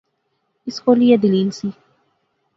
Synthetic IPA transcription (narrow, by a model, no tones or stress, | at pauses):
iskolijɛd̪ililsi